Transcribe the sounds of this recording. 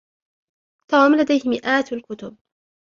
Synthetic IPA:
t̪ɑːmlad̪ajhɪmɪʔaːt̪alkʊt̪ʊb̚

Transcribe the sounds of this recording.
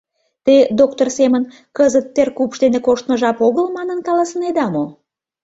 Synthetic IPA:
t̪ed̪okt̪orsemən | kəzət̪ːerkupʃd̪enekoʃt̪məʒɑpoɣəlmɑnənkɑlɑsəned̪ɑmo

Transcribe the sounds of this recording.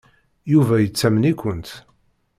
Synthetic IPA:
juvæjət͡sːæmənikʷənt̪

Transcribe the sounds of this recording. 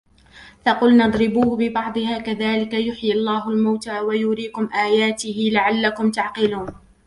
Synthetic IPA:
fɑqʊlnɑd̪ˤɾɪbuːhbɪbɑʕd̪ˤɨhaːkaðaːlɪkajʊħjɪlˤːaːɦʊlmawt̪aːwajʊɾiːkʊmʔaːjaːt̪ɪhɪlaʕalːakʊmt̪aʕqɪluːn

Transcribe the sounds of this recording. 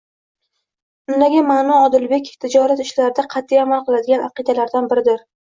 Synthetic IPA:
ʊnlaɡʲamaːnɒɒd̪ɪlbe̞kʲt̪ʰɪd͡ʒɒɾat̪ɪʃlaɾɪd̪aqʰɑt̪ʰːijamalˠqʰɨlˠad̪ɪɡʲanʔɑ̰qɨd̪alaɾd̪anbɪɾɪd̪ɪɾ

